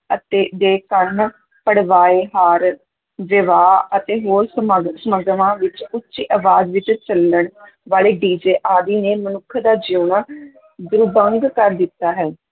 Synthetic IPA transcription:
ət̪eːd̪eːkəɳ | pəɽʋaːeːɦaːɾ | ʋɪʋaːət̪eːɦoːɾsəməɡsəməɡʋãːʋɪt͡ʃʊtːʃiːʔəʋaːd͡ʒʋɪt͡ʃt͡ʃələɳ | ʋaːleːɖiːd͡ʒeːʔaːd̪iːneːmənʊkʰːd̪aːd͡ʒjuːnaː | d̪ʊɾbəŋɡkəɾd̪ɪt̪ːaːɦɛː

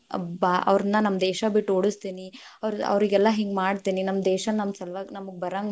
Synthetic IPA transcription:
ɐbaʔɐ̰ʋɾɐnːɐnɐmːɐd̪ɛːʃɐbiʈːoɽust̪iːni | ɐʋɾɐ̰ʋɾiɡɛlːɐɦeːŋɡmaːɽt̪iːninɐmːɐd̪ɛːʃɐnnɐmsɐlʋaːɡnɐmɐɡ̚bɐɾaːŋɡ

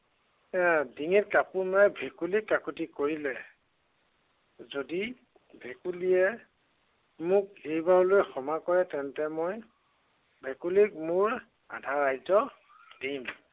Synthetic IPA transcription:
ɛdiŋɛt̚kapumajbʱɛkulikːakutikoɹilɛ | zodi | bʱɛkulijɛ | mʊkejbaɹlojɛxɔmakɔɹɛtɛntɛmoj | bʱɛkulik̚mʊɹ | a̰dʱaɹajzɔ | dim

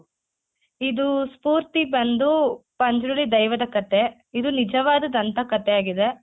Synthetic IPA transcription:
id̪uspuːɾt̪ibɐnd̪upɐɲd͡ʒɾuɭːid̪ɐjʋɐd̪ɐkɐt̪e̞ | id̪unid͡ʒɐʋaːd̪ɐd̪ɐnt̪ɐkɐt̪eaːɡid̪e̞

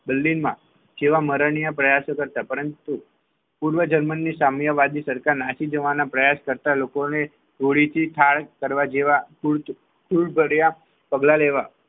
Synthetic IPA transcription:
bəlːinmã̰ | d͡ʒeʋaməɾəɳijapɾəjasokəɾt̪apəɾənt̪u | puɾʋəd͡ʒəɾmənːisamjəʋad̪isəɾkaɾnaʃid͡ʒəʋanapɾəjaskəɾt̪alokone | ɡʱoɭit̪ʰit̪ʰaɭkəɾʋad͡ʒeʋakuɭ | kʰuɭbʱəɽja | pəɡlaleʋa

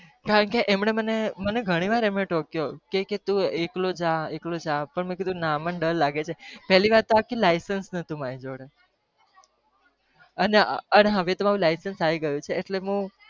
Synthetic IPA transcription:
kaɾəɳkeʔemɳeməneməneɡʱəɽ̃iʋaɾemneʈɔkjokeket̪ũeklod͡ʒaeklod͡ʒãpəɳmẽkid̪ʱũnaməɳɖəlːaɡet͡ʃʰepɛɦliʋaɾt̪ːoakilajsənsnət̪ũmaid͡ʒoɽe | əneəneɦəʋet̪əmaɾũlajsənsaʋiɡəjũt͡ʃʰeːʈleɦũ

